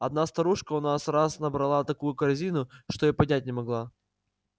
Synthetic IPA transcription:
ɐd̪̚nast̪ɐɾuʂkəʊnasɾasnəbɾɐlˠat̪ɐkujʊkɐɾzʲinʊʂt̪oipɐdʲnʲæt̚ʲnʲɪmɐɡlˠa

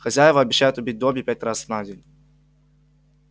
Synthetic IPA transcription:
xɐzʲajɪvəɐbʲɪɕːæjʊt̪ʊbʲit̚ʲd̪obʲɪpʲat̚ʲɾasvnadʲenʲ

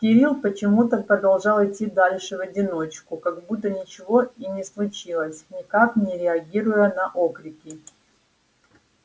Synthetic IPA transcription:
kʲɪɾʲilˠpət͡ɕɪmut̪əpɾəd̪ɐlˠʐɑlˠɪtʲːid̪alʲʂɨvɐdʲɪno̞t͡ɕkʊkɐɡbut̪ːənʲɪt͡ɕɪvo̞inʲɪslˠʊt͡ɕilˠəsʲnʲɪkaknʲɪɾʲɪɐɡʲiɾʊjənɐʔokɾʲɪkʲɪ

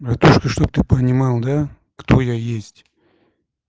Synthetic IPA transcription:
bɾɐt̪uʂkəʂt̪ob̚t̪ɨpənʲɪmɑlˠd̪a | kt̪ojajesʲtʲ

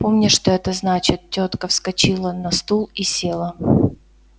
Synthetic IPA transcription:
po̞mnʲɪʂt̪oɛt̪əznat͡ɕɪt̪̚tʲːot̪kəfskɐt͡ɕilˠənɐst̪ulˠisʲe̞lˠə

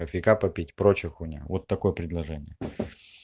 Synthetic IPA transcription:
ɐfʲɪkapɐpʲitʲpɾot͡ɕɪxʊnʲa̰vot̪ːɐko̞jəpɾʲɪd̪lˠɐʐɛnʲɪ̰jə

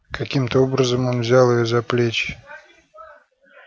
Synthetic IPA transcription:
kɐkʲimt̪əobɾəzəmo̞nvzʲalˠɪjozɐplʲet͡ɕ

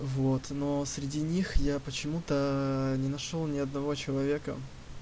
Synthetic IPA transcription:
vot̪no̞sɾʲɪdʲinʲixjapət͡ɕɪmut̪ənʲɪnɐʂolˠnʲɪɐd̪nɐvo̞t͡ɕɪlˠɐvʲe̞kə̰

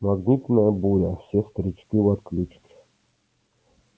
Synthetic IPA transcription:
maɡnʲit̪naəbuɾʲafsʲɛst̪ɾʲit͡ʃkʲivat̪klʲut͡ʃkʲi̥

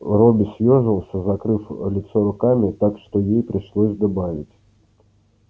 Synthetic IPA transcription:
rɔbʲɪsʲjʲɔʐɨlˠsʲəzɐkɾɨflʲɪt̪sɔɾʊkamʲɪt̪akʂt̪ɔjejpɾʲɪʂlˠɔzʲd̪abavʲɪt͡sʲ

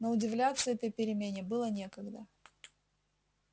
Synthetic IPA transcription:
noʊdʲɪvlʲat̪sːəɛt̪əjpʲɪɾʲɪmʲenʲɪbɨlˠənʲe̞kəɡd̪ə

